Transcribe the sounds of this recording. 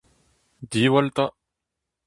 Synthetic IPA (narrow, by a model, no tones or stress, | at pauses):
d̪iwalt̪a